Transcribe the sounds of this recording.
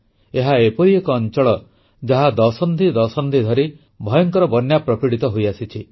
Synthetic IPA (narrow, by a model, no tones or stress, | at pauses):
eɦaepɔɾiekɔːnt͡ʃɔɭɔ | d͡ʒaɦad̪ɔsɔnd̪ʱid̪ɔsɔnd̪ʱid̪ʱɔɾi | bʱɔjɔŋkɔɾɔbɔnjapɾɔpiɽit̪ɔɦojasit͡ʃʰi